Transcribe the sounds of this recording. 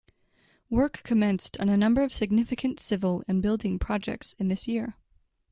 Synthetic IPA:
wɜ˞kʰːɨmɛ̃nstn̩ɨnʌ̃mbə˞ʌv̥sɨɡ̚nɪfɨkʰɨ̃ntsɪvl̩ˠɨ̃nbɪlˠdɪ̃ŋpʰɹ̥ɑd͡ʒɛ̰k̚tsɨ̃nðɪsjiɹ

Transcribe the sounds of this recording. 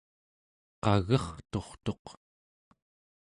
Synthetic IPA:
qɑɣʌχt̪o̞χt̪o̞q

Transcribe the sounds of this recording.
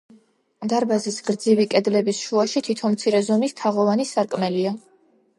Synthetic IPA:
d̪aɾbazisɡɾd̪zivikʼɛd̪lɛbisʃuaʃit̪ʰit̪ʰɔnmt̪sʰiɾɛzɔmist̪ʰaʁɔvanisaɾkʼmɛlia

